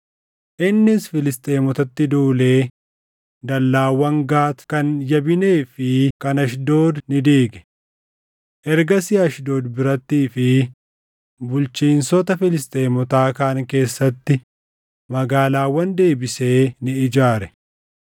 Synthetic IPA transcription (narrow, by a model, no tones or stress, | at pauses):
ʔɪnːɪsfɪlɪst̪ʼeːmɔt̪ɐt̪ːɪd̪uːle̞ː | d̪ɐlːaːwːɐŋɡaːt̪kɐnjɐbɪne̞ːfɪkɐnɐʃd̪o̞ːd̪nɪd̪eːɡɛ̥ | ʔɛɾɡɐsɪɐʃd̪o̞ːd̪bɪɾɐt̪ːiːfɪ | bʊlt͡ʃiːnsɔt̪ɐfɪlɪst̪ʼe̞ːmɔt̪aːkaːŋke̞ːsːɐt̪ːɪ | mɐɡaːlaːwɐnd̪e̞ːbɪse̞ːnɪɪd͡ʒaːɾɛ